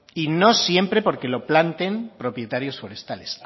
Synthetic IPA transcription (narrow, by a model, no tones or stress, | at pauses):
ino̞sje̞mpɾe̞po̞ɾke̞lo̞plant̪e̞mpɾo̞pje̞t̪aɾjo̞sfo̞ɾe̞st̪ale̞s